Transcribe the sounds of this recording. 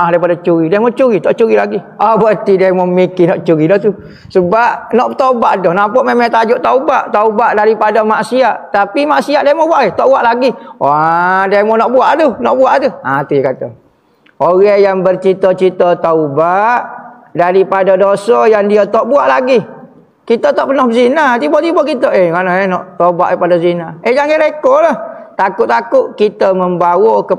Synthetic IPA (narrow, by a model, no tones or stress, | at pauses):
adaipadat͡ʃuɾidamɔt͡ʃuɾit̪ɔʔt͡ʃuɾilaɡi | abət̪idamɔmikinɔʔt͡ʃuɾidɔht̪u | səbaʔnɔʔt̪abaʔdɔhnapɔʔmemat̪ad͡ʒʊʔt̪aubaʔt̪aubaʔdaɾipadamaʔsiaʔt̪apimaʔsiaʔdamɔbuaʔɛt̪ɔʔbuaʔlaɡiadamɔnɔʔbuaʔt̪unɔʔbuaʔat̪uat̪ujakat̪ə̰ | oɣajaŋbərt͡ʃit̪ət͡ʃit̪ət̪aubaʔ | daɾipadadosəjaŋdiət̪ɔʔbuaʔlaɡi | kit̪ət̪ɔʔpənɔhbəzinat̪ibot̪ibokit̪əʔeŋananɔʔt̪oba̰ʔipadazinaed͡ʒaŋeɾekolaht̪akʊʔt̪akʊʔ̚kit̪əməmbawokə